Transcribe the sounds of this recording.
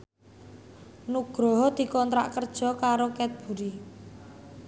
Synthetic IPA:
nuɡ̥ɾɔɦɔd̪̥i̤kɔnt̪ɾa̰ʔkərd̥ʒ̥ɔ̤kaɾokɛt̪̚b̥ṳɾi

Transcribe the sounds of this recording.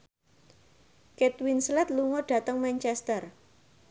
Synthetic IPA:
kɛt̪winslɛt̪̚luŋɔɖ̥ä̤t̪əŋmɛnt͡ʃɛst̪ər

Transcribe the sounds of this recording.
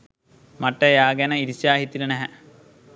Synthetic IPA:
maʈːəjaːɡænəiɾisjaːɦit̪ilənæɦɛ

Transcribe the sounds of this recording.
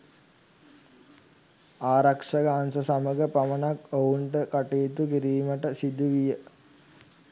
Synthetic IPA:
aːɾakʂaɡaːnsəsaməɡəpamənakouɳʈəkaʈeːt̪ukiɾiːməʈəsid̪uʋijə

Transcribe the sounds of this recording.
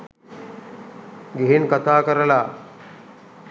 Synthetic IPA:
ɡeɦinkət̪akəɾla

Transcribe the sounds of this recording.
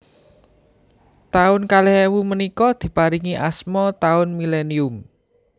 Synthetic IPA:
t̪aʊnkalɛhewumənikɔd̪̥i̤paɾiŋiʔasmɔt̪aʊnmileniʊm

